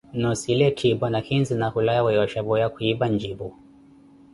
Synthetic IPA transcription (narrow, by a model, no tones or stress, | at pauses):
nɔsilɛtʰibɔnakinzinakulajawɛjɔʃabɔjakuibaɲd͡ʒibɔ